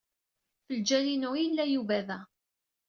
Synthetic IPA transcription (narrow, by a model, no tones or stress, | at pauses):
fəld͡ʒælinʊjəlːæjuvæðæ